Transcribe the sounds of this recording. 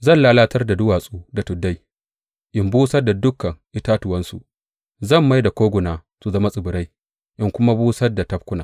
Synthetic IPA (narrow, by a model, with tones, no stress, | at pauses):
zɐ˦˨nlaː˦laː˦tʰɐ˦rda˨dʊ˦waː˨sʼuː˦da˨tʊ˨dːa˦j | ʔɪ˦mbuː˦sɐ˦da˨dʊ˦kːɐ˨ŋʔɪ˦taː˦tʊ˨wɐ˦nsṵ˨ | zɐ˦˨mːa˦jda˨kʷoː˦ɡʷʊ˨naː˨ | su˨zɐ˦ma˦sʼɪ˨bʊ˨ɾa˦j | ʔɪ˦ŋkʷʊ˦ma˦buː˦sɐ˦rda˨tɐ˦b̚kʷʊ˦naː˨